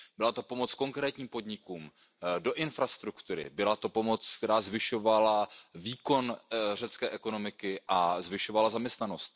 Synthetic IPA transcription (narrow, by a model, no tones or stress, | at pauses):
bɪlat̪opo̞mo̞t͡sko̞ŋkɾɛːt̪ɲiːmpo̞dɲɪkuːm | do̞ʔɪnfɾast̪ɾukt̪uɾɪ̰bɪlat̪o̞po̞mo̞t͡skt̪ɛɾaːzvɪʃo̞valaviːko̞nr̝ɛt͡skɛːʔɛko̞no̞mɪkɪʔazvɪʃo̞valazamɲɛst̪nano̞st̪̚